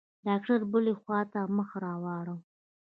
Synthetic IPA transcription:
ɖɑk̚ʈaɾbəlexwɑt̪aməxaɾɑwɑɽəw

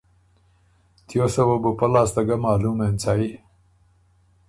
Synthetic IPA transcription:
t̪josɐwobupɐlaːst̪ɐɡɐmaːluːmeːnt͡saːi

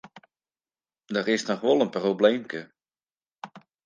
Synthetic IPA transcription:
dərɪsnɔxʋɔlˠənprobleːmkə

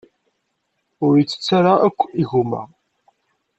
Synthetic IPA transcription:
ʊɾjət͡sːə̥t͡sːaɾaækʷːiʝumæ̰

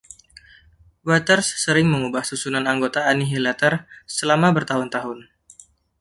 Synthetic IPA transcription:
wat̪ərsːəɾɪŋməŋubahsusunanaŋɡot̪aːniɦilat̪ərsəlamabərt̪aɦʊnt̪aɦʊn

